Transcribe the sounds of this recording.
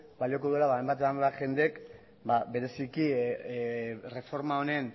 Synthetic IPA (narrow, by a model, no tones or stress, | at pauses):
baliokoðue̞laβajmbat̪̬esamaʝe̞nd̪eek | babe̞ɾe̞siki | re̞fo̞ɾmaone̞n